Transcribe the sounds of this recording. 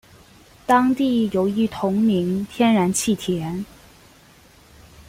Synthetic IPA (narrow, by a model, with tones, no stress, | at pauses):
t̪ɑ˥ŋt̪i˥˩jo˧˥ʊi˧˥t̪ʰʊ˧˥ŋmi˧˥ŋt̪ʰjɛ˥nɻa˧˥nt͡ɕʰi˥˩t̪ʰjɛ˧˥n